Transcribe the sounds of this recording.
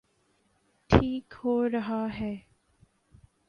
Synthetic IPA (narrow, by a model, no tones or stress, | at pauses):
ʈʰiːkhoːɾɐɦaɦɛː